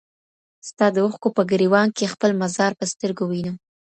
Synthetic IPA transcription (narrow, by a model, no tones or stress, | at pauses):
st̪ɑd̪əuxkopəɡəɾiwɑŋkexpəlmazɑɾpəst̪əɾɡowinu